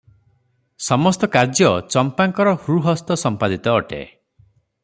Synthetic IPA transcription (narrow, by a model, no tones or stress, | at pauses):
sɔmɔst̪ɔkaɾd͡ʒjɔt͡ʃɔmpaŋkɔɾɔhɾuɦɔst̪ɔsɔmpad̪it̪ɔːʈḛ